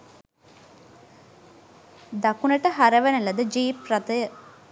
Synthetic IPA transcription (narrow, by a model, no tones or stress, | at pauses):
d̪ɐkunɐʈəɦɐɾɐʋenelɐd̪əd͡ʒiːpɾɐt̪əjə